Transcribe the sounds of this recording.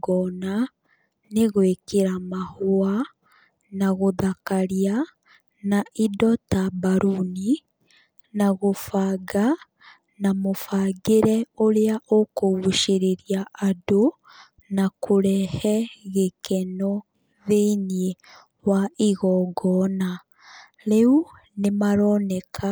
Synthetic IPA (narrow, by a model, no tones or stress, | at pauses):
ɡɔna | neɣwekeɾamahoa | naɣoðakaɾia | naʔidɔtabaɾuni | naɣofaɡa | namofaɡeɾɛoɾeaʔokoɣuʃeɾeɾjaʔado | nakʰoɾɛhɛɣekɛnɔ | ðeinie | waiɣɔɡɔna | ɾeu | nemaɾɔnɛkʰa